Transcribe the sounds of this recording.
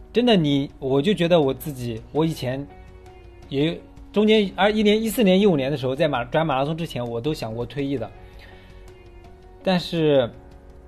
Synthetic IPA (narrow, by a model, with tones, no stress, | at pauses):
ʈ͡ʂə˥nd̪ə˨ni˨˩wɔ˨˩t͡ɕjo˥˩ʊt͡ɕɥɛ˧˥d̪ə˧wɔ˨˩t͡sɹ̩˥˩t͡ɕi˨˩wɔ˧˥i˨˩t͡ɕʰjɛ˧˥n | jɛ˨˩ | ʈ͡ʂʊ˥ŋt͡ɕjɛ˥n˥˧i˥˩njɛ˥ni˥sɹ̩˥˩njɛ˧˥ni˥u˨˩njnd̪ə˧ʂɻ̩˧˥xo˧t͡sa˥˩ɪm˨˩ʈ͡ʂwa˧˥nma˨˩la˧˥s̬ʰʊ˥ŋʈ͡ʂɻ̩˥t͡ɕʰjɛ˧˥nwɔ˨˩t̪o˥ʊɕjɑ˨˩ŋkwɔ˥t̪ʰwe˥˧ɪi˥˩d̪ə˩ | t̪a˥˧nʂɻ̩˥˩